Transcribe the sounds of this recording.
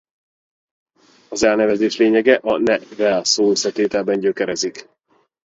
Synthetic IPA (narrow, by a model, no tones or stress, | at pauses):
ɒzɛlnɛvɛzeːʃleːɲɛɡɛʔɒnɛvɛlsoːøsːɛt̪eːt̪ɛlbɛɲɟøkɛɾɛzik